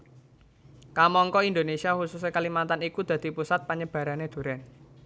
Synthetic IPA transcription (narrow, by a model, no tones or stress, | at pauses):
kamɔŋkɔind̪onesiaxususekəlimant̪anikud̪̥a̤d̪̥i̤pusat̪̚paɲəb̥ä̤ɾaned̪̥ṳɾɛn